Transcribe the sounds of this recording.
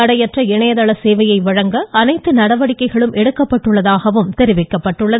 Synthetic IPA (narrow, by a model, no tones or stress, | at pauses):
ɐɽɐjɛʈrɐɪɳɐjɐðɐɭɐseːʋɐjɐɪʋɐɻɐŋɡɐːnɐɪt̪ːɯnɐɽɐʋɐɽɪkːɐɪɣɐɭɯmʔɛɽɯkːɐpːɐʈːɯɭːɐðaːɣɐʋɯmt̪ɛɾɪʋɪkːɐpːɐʈːɯɭːɐ